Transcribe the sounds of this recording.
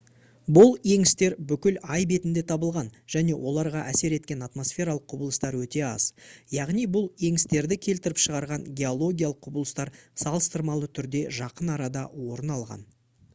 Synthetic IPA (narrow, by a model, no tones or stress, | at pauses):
bʊlˠje̞ŋɪst̪e̞ɾbʏkʲɪlɑjbe̞t̪ɪnd̪e̞t̪ʰɑbəlˠʁɑnʒ̥æne̞wʔo̞lˠɑɾʁɑʔæse̞ɾe̞t̪kʲe̞nat̪mo̞sfʲe̞ɾalˠəqʰːʊbəlˠəst̪ɑɾwɵt̪e̞ɑ̰z̥jɑʁnijbʊlˠje̞ŋɪst̪e̞ɾd̪ɪkʲʰe̞lt̪ɪɾɪpʃəʁɑɾʁɑŋɡʲe̞o̞lˠo̞ɡʲijalˠəqːʰʊbəlˠəst̪ɑɾsɑlˠəst̪əɾmɑlˠət̪ʰʏɾd̪e̞ʒɑqənɑɾɑd̪ɑwo̞ɾənɑlˠʁɑ̰n